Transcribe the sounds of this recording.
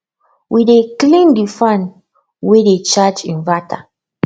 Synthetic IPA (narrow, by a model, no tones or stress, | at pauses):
wideklĩndifãn | wedet͡ʃat͡ʃĩnvata